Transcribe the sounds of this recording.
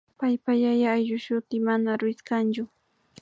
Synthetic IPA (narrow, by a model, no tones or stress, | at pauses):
pajpajajaːjʎʊʃʊt̪ɪmanaɾɪskant͡ʃʊ